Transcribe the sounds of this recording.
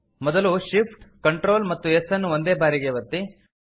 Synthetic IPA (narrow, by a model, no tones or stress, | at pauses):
mɔd̪ɐluʃipʰʈkɐɳʈɾoːlmɐt̪ːuesɐnːuʋond̪e̞ːbaːɾiɡeʋɐt̪ːi